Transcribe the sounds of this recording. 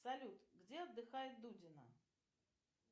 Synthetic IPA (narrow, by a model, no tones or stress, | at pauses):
sɐlʲut̪ɡdʲeɐd̪ːɨxajɪt̪̚d̪udʲɪnə̰